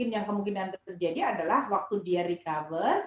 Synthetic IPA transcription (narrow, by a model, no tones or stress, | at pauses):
ɪnjaŋkəmuŋkinant̪ərd͡ʒadiadalahwak̚t̪udiaɾikavər